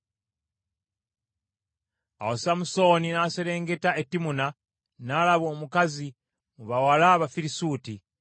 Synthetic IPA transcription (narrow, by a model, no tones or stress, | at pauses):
a̰wosamuso̞ːninase̞ɾe̞ːŋɡe̞taetːimuna | nalaβo̞ːmukazi | muβawalaβafiɾisuːti